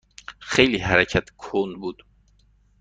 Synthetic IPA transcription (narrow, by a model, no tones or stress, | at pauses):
xejliːɦæɾæcʰæt̪ʰkʰonbuːd̪̥